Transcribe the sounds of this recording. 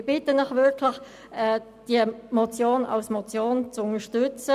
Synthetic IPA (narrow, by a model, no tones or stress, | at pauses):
bɪtənɪχvɪɾkʰlɪx | ɛː | d̥iəmɔt͡sjoːnɑ̰lsmɔt͡sjoːnt͡sʊŋəʃtʏt͡sə